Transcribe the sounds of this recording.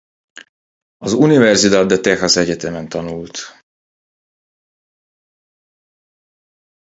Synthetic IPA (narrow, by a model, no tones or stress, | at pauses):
ɒzunivɛrzid̪aːd̪d̪ːɛt̪ɛxɒsɛɟɛt̪ɛmɛnt̪ɒnult̪